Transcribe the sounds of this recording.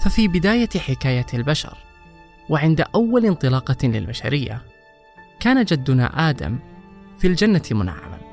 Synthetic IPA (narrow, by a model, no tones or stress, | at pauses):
fafiːbɪd̪aːjaħɪkaːjalbaʃɑ̰ɾˤ | wɪʕɪnd̪aʔawːalɪnt̪ˤɨlɑːqɑlɪ̰lbaʃa̰ɾɪjːa̰ | kaːnad͡ʒad̪ːʊna̰ʔaːd̪a̰mfild͡ʒanːamʊna̰ʕːa̰ma̰n